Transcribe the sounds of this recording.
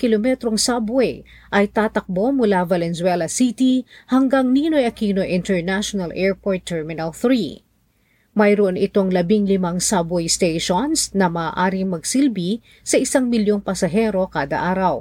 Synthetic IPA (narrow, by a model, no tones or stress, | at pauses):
kɪlomɛt̪ɾo̞ŋsabwɛj | ʔɐjt̪aːt̪ɐk̚bo̞mʊlavɐlɛnswɛlɐsit̪ihɐŋɡaŋniːnojɐkiːnojʔɪ̃nt̪ɛɹnaʃonɐlʔɛɹpoɹt̪ʰːɛɹmɪnɐlθɾi | mɐjɾoʔonɪt̪o̞ŋlɐbiŋlɪmaŋsabɛjst̪ejʃonsnɐmaːʔaːɾɪŋmɐɡ̚silbi | sɐʔɪsaŋmɪljo̞ŋpɐsɐɦɛɾo̞kaːd̪ɐ̰ʔaːɾɐw